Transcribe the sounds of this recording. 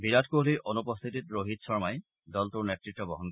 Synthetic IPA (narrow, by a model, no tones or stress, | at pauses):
biɾatkoliʔonupɔst̪ʰititɹoɦitsɔɹmaj | dɔltuɹnetːɹitːɔbɔɦɔnk